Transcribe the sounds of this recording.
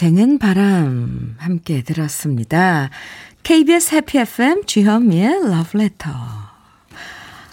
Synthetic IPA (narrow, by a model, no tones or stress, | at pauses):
e̞ŋɯnpaɾamhamk͈e̞tɯɾʌs͈ɯmɲida | kʰeibiesʰhepʰiepʰɯe̞mt͡ɕiɦʌmielʌbɭe̞tʰʌ